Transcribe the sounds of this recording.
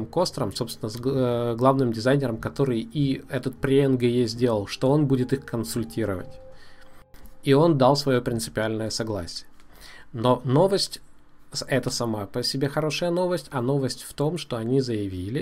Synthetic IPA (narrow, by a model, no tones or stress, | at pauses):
mkost̪ɾəmso̞pst̪vʲɪnəzɡlˠavnɨmdʲɪzajnʲɪɾəmkɐt̪o̞ɾɨjiɛt̪ət̪̚pɾʲɪɛnɡɛjezʲdʲe̞lˠəlˠʂt̪o̞o̞nbudʲɪt̪ɨxkənsʊlʲtʲiɾə̰və̰tʲ | io̞nd̪ɑlˠsvɐjo̞pɾʲɪnt̪sɨpʲɪalʲnəjəsɐɡlˠa̰sʲɪjə | no̞no̞vəsʲtʲ | ɛt̪əsɐmapəsʲɪbʲexɐɾo̞ʂəjəno̞vəsʲtʲɐno̞vəsʲtʲft̪o̞mʂt̪o̞ɐnʲizəjɪvʲilʲɪ